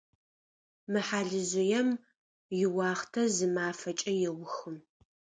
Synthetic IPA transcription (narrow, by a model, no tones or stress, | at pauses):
mɨħaːɮɨzʊjɛm | jɪwɑːχtʰɐzɨmaːfɐt͡ʃʼɐjɛwʷʊxɨm